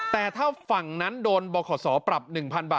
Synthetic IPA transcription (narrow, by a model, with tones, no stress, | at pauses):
t̪ɛː˨˩t̪ʰaː˥˩fa˨˩ŋna˦˥ndoː˧nbɔː˧kʰɔː˩˦sɔː˩˦pɾa˨˩p̚nɯ˨˩ŋpʰa˧nbaː˨˩